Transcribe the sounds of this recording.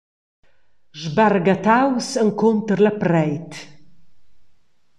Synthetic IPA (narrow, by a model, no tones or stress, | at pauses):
ʒbarɡat̪awsəŋkʰont̪əɾlaprɛjt̪ʰ